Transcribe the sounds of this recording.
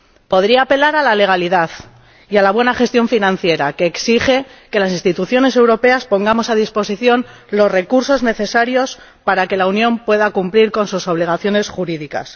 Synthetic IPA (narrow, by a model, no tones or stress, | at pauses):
po̞ðɾiaːpe̞laɾalale̞ɣ̞aliðað | ialaβwe̞naχe̞st̪jo̞ɱfinãn̟θje̞ɾakeːksiχe̞ke̞las̬ĩnst̪it̪uθjo̞ne̞s̬e̞wɾo̞pe̞aspo̞ŋɡamo̞saðispo̞siθjo̞n | lo̞zre̞kuɾso̞zne̞θe̞saɾjo̞s | paɾake̞launjõ̞mpwe̞ðakumpliɾko̞nsuso̞β̞liɣ̞aθjo̞ne̞sxuɾiðika̰s